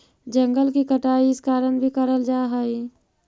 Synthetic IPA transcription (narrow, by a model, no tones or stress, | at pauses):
d͡ʒə̃ŋɡəlkikəʈaːiɪskaːɾəɳbʱikəɾəld͡ʒaːɦəi